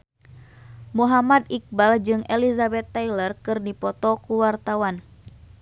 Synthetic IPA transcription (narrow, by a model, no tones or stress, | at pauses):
muɦamad̪ik̚bald͡ʒɨŋʔɛlizabɛt̪ːailərkɨrdipɔt̪ɔkuwart̪awan